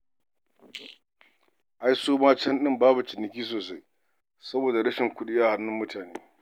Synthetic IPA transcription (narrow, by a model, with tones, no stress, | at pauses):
ʔa˦jsoː˦maː˦t͡ʃɛ˦nɗɪ˦mbaː˦bu˨tɪ˨nɪ˨kʲiː˦s̬oː˨s̬a˦j | sɐ˦boː˨da˨ɽɐ˦ʃɪ˨ŋkʷʊ˦ɗɪ˦jaː˦˨ha˦nːʊ˦mːʊ˦tʰaː˨neː˦